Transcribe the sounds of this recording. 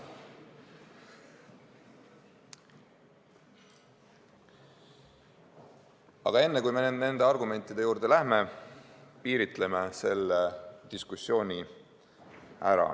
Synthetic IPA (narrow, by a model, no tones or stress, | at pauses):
ɑ̰ɡ̥ɑe̞nːe̞kujme̞nenne̞nd̪e̞ɑrɡume̞nʲt̪ːˑid̪̥e̞juːɾd̪̥e̞læhme̞ | piːɾit̪le̞mese̞lːed̪̥iskusːjo̞ːnʲi | æ̰ɾɑ̰